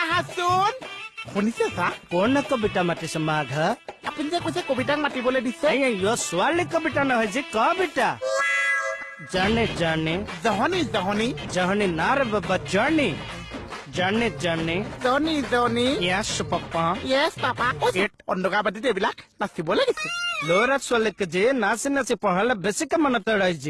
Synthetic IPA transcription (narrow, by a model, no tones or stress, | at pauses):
aɦãsunhunisɛasakɔnɛkɔbiʈamaʈisɔmaɡʱəapunizɛkɔjsɛkobiʈ̬ak̚maʈibɔledisɛjãjɔswalikɔbiʈanɔɦɔjd͡ʒikɔ̃biʈa | d͡ʒənid͡ʒanizɔɦɔnizɔɦɔnid͡ʒɔɦɔninaɾɛbɛbad͡ʒani | d͡ʒanid͡ʒanizɔnizɔnijasupapːãjɛspapaɔeʈ̚ɔnɖɔɡabad̪it̪ebilak̚nasibɔleɡit͡ʃʰiloɾaswalikəd͡ʒenasinasipɔɽalɛbesikamanɔt̪əɽajd͡ʒi